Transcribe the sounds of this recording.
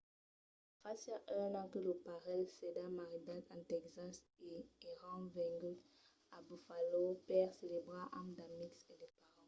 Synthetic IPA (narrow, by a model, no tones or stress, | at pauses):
fasaʔɛnãkəlopaʁɛlsedamaʁidat̪ãt̪ɛkzas | eeʁɑ̃vɛ̃ŋɡy | abufalopɛʁselebʁaʔamdamiksedepaʁɑ̃